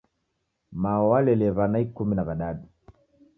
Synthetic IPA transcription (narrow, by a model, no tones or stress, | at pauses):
maɔwalɛlɛvanaikuminavaɗaɗu